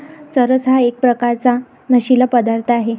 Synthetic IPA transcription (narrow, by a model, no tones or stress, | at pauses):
səɾəsɦaek̚pɾəkaɾt͡sa | nəɕilapəd̪aɾt̪ʰəaɦe